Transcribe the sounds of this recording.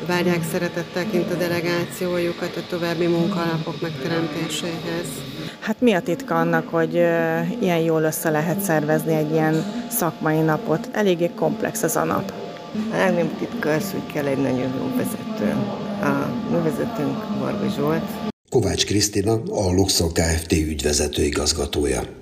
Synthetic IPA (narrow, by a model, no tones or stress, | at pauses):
vaːrjaːksɛɾɛt̪ɛt̪ːɛlkint̪ɒd̪ɛlɛɡaːt̪sijoːjukɒt̪ɒt̪o̞vaːbːimuŋkɒlɒpo̞kmɛkt̪ɛɾɛmt̪eːʃeːɦɛz̥ | hat̪miɒt̪it̪kɒɒnːɒkho̞ɟijɛnjoːlø̞sːɛlɛɦɛt̪sɛrvɛzniɛɟːijɛnsɒkmɒjinɒpot̪ʰɛleːɡːeːko̞mplɛ̰ksɛzɒ̰nɒ̰p | lɛɡnɛmt̪it̪kɒsṵckʰɛlːɛɟnɒɟojjo̰ːvɛzɛt̪ø̰ːɒmyːvɛzɛt̪yŋkbo̰rɡoʒult̪ko̞vaːt͡ʃkrist̪inɒɒluksolkaːɛft̪eːyɟʋɛzɛt̪øːiɡɒzɡɒt̪oːjɒ̰